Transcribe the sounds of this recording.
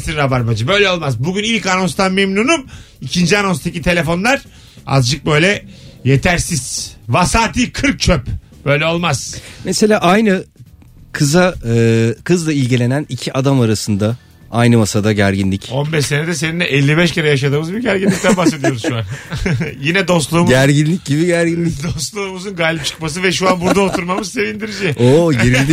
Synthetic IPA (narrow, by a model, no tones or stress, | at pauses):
siɾabaɾmad͡ʒɯbø̞jlʲɛo̞lˠmazbuɟynilʲcano̞nst̪ʰanmemnuːnum | icʰind͡ʒiano̞nst̪ʰacit̪ʰe̞lʲe̞fo̞nlˠaɾ̥ | a̰zd͡ʒɯk̚bø̞jlʲɛjet̪ʰæɾsiz̥vasaːt̪ʰiːkʰɯɾk̚t͡ʃʰøp | b̥ø̞jlʲɛo̞lˠmaz̥mese̞lʲaːʔajnɯ | kʰɯza | kʰɯzd̪ailʲɟilʲe̞nænicʰiʔad̪amaɾasɯnd̪a | ajnɯmasad̪aɟæɾɟinlʲico̞nbɛʃsened̪ɛs̬eninːɛʔɛlʲːibɛʃceɾɛjaʃ̬ad̪ɯːmɯzbiɾɟæɾɟinʲict̪ʰænbasse̞d̪ijo̞ɾuzʃuanjinɛd̪o̞st̪lˠuːmɟæɾɟinlʲic̚ɟibiɟæɾɟinlʲicd̪ost̪lˠuːmuzunɡaːlʲip̚t͡ʃʰɯ̥kmas̬ɯvɛʃuanbuɾd̪aot̪ʰuɾmamɯzse̞vind̪iɾid͡ʒɛoɟeɾilʲd̪i